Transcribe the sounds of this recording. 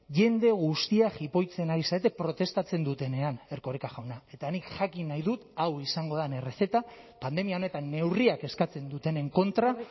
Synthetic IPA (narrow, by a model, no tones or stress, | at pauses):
ʝe̞nd̪e̞ɣust̪iaʝipo̞jt͡se̞naisaet̪̬e̞pɾo̞t̪e̞st̪at͡se̞nd̪ut̪e̞ne̞ane̞ɾko̞ɾikaʝawnae̞t̪anikʝakinajðut̪awisaŋɡo̞ðane̞re̞θe̞t̪a | pand̪e̞miao̞ne̞t̪anːe̞wriake̞skat͡se̞nd̪ut̪e̞ne̞ŋko̞nt̪ɾa